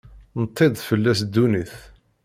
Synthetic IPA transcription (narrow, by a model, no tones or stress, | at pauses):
nt̪ʰˤːɪd̪ˤfəlːæsd̪ːuniθ